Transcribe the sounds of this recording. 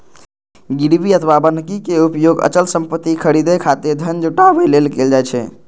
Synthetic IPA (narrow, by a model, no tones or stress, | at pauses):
ɡiɽbiət̪ʰʋabənkikeupjoɡə̰t͡ʃəlsəmpət̪ːikʰəɽid̪ekʰat̪eɾd̪ʱənd͡ʒuʈabelelkeld͡ʒajt͡ʃʰɛ̰